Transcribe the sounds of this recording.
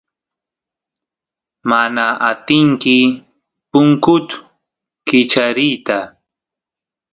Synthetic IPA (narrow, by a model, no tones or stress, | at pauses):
manaat̪ɪŋkɪ | pʊŋkʊt͡sʊ̥ | kɪt͡ʃaɾijt̪a